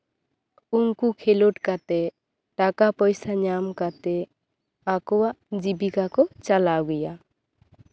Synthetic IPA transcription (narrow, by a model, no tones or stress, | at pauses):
uŋkukʰeloʈkat̪ɛ | ʈakapɔjsaɲamkat̪ɛ | akɔwaʔd͡ʒibikakɔt͡ʃalaɡɛja